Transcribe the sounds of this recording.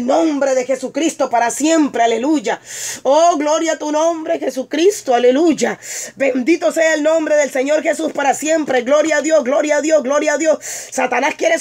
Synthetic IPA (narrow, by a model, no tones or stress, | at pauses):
nõ̞mbɾe̞ðe̞xe̞sukɾist̪o̞paɾasje̞mpɾeale̞luʝaoɣlo̞ɾjat̪unõ̞mbɾe̞xe̞sukɾist̪oale̞luʝabe̞nd̪it̪o̞se̞aelnõ̞mbɾe̞ðelse̞ɲo̞ɾxe̞suspaɾasje̞mpɾe̞ɡlo̞ɾjaːðjo̞sɡlo̞ɾjaːðjo̞sɡlo̞ɾjaːðjo̞ssat̪anaskjeɾes